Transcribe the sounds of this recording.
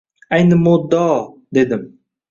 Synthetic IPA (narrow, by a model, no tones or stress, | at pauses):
æjnɪmod̪ɑd̪ed̪ɪm